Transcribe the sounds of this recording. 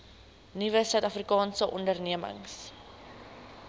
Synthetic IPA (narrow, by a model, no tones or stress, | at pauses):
nivəsœɥtɐfrikɑːnsəʔɔndərniəmə̰ŋs